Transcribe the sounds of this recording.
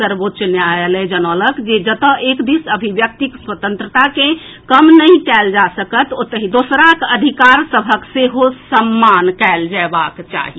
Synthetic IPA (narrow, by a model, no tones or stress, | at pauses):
səɾbot̪ːʃneaeled͡ʒənələkd͡ʒed͡ʒət̪ə̃ʔekd̪isəbʱibjək̚t̪ikswət̪ə̃nt̪ɾət̪akẽkəmnəĩkɛld͡ʒasəkət̪ot̪əɦid̪osɾakəd̪ʱikaɾsəbʱəkseɦosəmːankɛld͡ʒaebakt͡ʃa̰ɦi